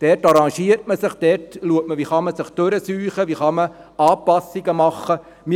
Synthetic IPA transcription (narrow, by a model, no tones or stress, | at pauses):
d̥ɛtɑɾɑŋʃiəɾtməsɪχd̥ɛtluək̚məʋiχɑməsɪχtøɾəsyːχəʋiχɑmə | ɑːpɑsːiɡəmɑχːə | mi